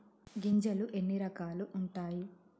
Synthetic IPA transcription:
ɡiɲd͡ʒɐluʔe̞nːiɾɐkaːluʔuɳʈaːji

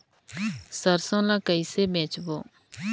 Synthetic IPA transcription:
səɾsõːlãːkəiseːbẽːt͡ʃboː

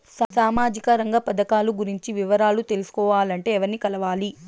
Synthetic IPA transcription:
ssaːmaːd͡ʒikɐɾɐŋɡɐpɐd̪ɐkaːluɡuɾiɲt͡ʃiʋiʋɐɾaːlut̪e̞lusu̥kɔːʋaːlɐɳʈe̞ːɛʋɐɾnikɐlɐʋaːli

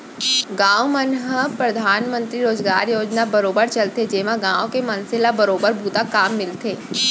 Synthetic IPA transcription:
ɡãːomənɦəpɾɐd̪ʱaːnmə̃nt̪ɾiɾoːd͡ʒɡaːɾjoːd͡ʒnabɐɾoːbəɾt͡ʃɐlt̪ed͡ʒeːʋãɡãːʋõkemɐ̃nsɪlabɐɾoːbəɾbʱuːt̪akaːmːɪlt̪ʰeː

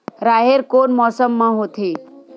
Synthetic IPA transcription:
ɾaːɦeɾkoːnmɔːsəmːãɦot̪ʰi

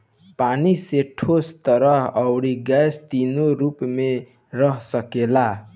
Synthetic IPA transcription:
paniseʈʰost̪ʌɾʌɦʌwɽiɡast̪inoɾupme | rʌɦsʌkela

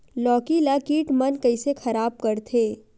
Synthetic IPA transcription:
lɔːkilakiːʈmɐnkɐisexʰɐɾaːb̚kɐɾt̪ʰeː

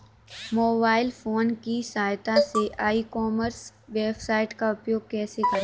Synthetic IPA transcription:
moːbaːɪlfoːnkisaːjt̪aseʔaːikɔːməɾsʋeːbsaːɪʈkaʊpjoːɡ̚kɛːsekɐɾ

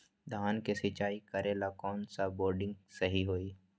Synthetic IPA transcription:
d̪ʱaːnkesit͡ʃaːikɐɾeːlakɔːnsaboːɾɖɪ̃ŋɡsɐɦiɦoːi

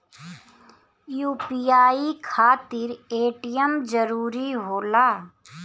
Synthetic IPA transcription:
juːpijaːikʰaːt̪ɪɾeːʈijəmd͡ʒəɾuːɾiɦoːlaː

